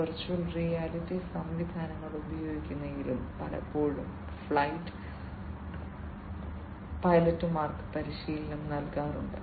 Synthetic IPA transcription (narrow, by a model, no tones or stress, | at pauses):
ɐrt͡ɕːuɐlrijaːlitːisɐmʋid̪ʱaːnɐŋːɐɭubɐjo̞ːɡikʲːunːɐiːɾilpɐlɐ̰pːo̞ːɭum | fɭɐjtːɨ̥ | pɐjlɐtːumaːrkɨ̥pɐɾiɕiːlɐnɐmnɐlkaːruɳɖɨ